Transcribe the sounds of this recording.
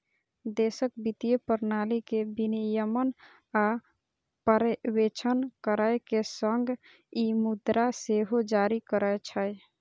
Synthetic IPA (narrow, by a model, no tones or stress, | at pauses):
d̪esək̚bit̪ijepəɾnalikebinijəmən | a | pəɾwet͡ʃʰənkəɾəjkesəŋɡ | imud̪ɾaseɦod͡ʒaɾikəɾəjt͡ʃʰəj